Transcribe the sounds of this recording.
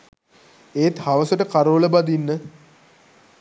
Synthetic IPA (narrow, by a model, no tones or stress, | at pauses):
eːt̪haʋəsəʈəkaɾoːləbad̪inːə